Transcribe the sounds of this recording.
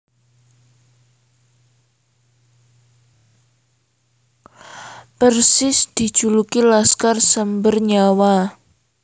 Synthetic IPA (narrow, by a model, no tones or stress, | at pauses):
pərsɪsd̪̥i̤d̥ʒ̥ulukilaskarsəmbərɲawa